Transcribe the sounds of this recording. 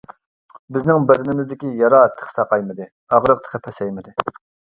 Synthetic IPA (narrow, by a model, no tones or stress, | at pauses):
bɪznɪŋbɪɾɪnɪmɪzd̪ɪkʲijɑɾɑːt̪ʰːə̥χsɑqɑjmɨd̪ɪ | ɑʁɾəq̚t̪ʰə̥qʰəpʰɛsɛjmɪd̪ɪ